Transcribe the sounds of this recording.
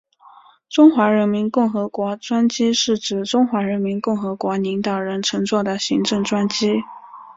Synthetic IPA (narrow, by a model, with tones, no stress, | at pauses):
ʈ͡ʂʊ˥ŋxwa˧˥ɻə˧˥nmi˧˥nkʊ˥˩ŋxɤ˧˥kwɔ˧˥ʈ͡ʂwa˥nt͡ɕi˥ʂɻ̩˥˩ʈ͡ʂɻ̩˨˩ʈ͡ʂʊ˥ŋxwa˧˥ɻə˧˥nmi˧˥nkʊ˥˩ŋxɤ˧˥kwɔ˧˥li˧˥ŋt̪ɑ˨˩ʊɻə˧˥nʈ͡ʂʰɤ˧˥ŋt͡swɔ˥˩d̪ə˩ɕi˧˥ŋʈ͡ʂɤ˥˩ŋʈ͡ʂwa˥nt͡ɕi˥